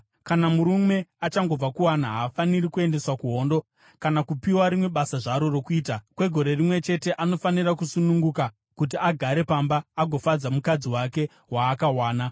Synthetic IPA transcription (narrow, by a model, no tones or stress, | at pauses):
kanamuɾume̞at͡ʃaŋɡo̞b͡vakuwanaɦaːfaniɾikue̞nde̞swakuɦo̞ːndo̞ | kanakupiwaɾimwe̞ɓasaʐaɾo̞rokuiːtakwe̞ɡʱo̞ɾe̞rimwe̞t͡ʃe̞te̞ʔano̞faniɾakusunuŋɡuka | kut̬iaɡʱaɾe̞pambaːɡʱo̞fad͡zamukad͡ziwake̞ | waːkawaːna